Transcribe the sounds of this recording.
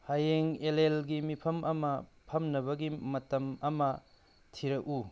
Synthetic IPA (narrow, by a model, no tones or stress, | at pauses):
hajeŋelelɡimipʰɐmʔɐmɐpʰɐmnɐbɐɡimɐtɐmɐmɐ | tʰiɾɐk̚u